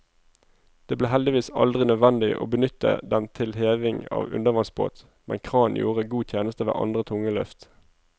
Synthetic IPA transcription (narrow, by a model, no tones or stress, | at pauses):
d̪̥eːbleːhɛld̪ɪʋiːsɑ̰ld̪ʁɪnœd̪ʋɛnd̪ɪʔo̰ːbənʏt̪ə̰d̪ɛnt̪ʰɪlheːʋɪŋɑ̰ːʋʉ̰nd̪əʋɑŋsbo̰ːt̪ | mɛ̰nkʰʁɑːnjṵːʁəɡuːt̪ʰjeːnəst̪əʋḛːʔɑ̰nd̪ʁət̪ʰʊŋəlœft̪